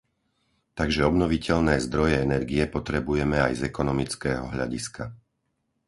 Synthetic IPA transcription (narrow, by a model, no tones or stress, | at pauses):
t̪aɡʒɛɔbnɔʋicɛʎnɛːzd̪ɾɔjɛɛnɛɾɡijɛpɔt̪ɾɛbujɛmɛajzɛkɔnɔmit͡skɛːɦɔ̰ɦʎa̰ɟiska